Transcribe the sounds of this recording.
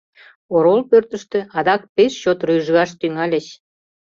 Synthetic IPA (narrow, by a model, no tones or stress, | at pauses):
oɾolpørt̪ə̆ʃt̪ø̆ʔɑd̪ɑk̚peʃt͡ɕot̪ryjʒɣɑʃt̪yŋɑlʲə̆t͡ɕ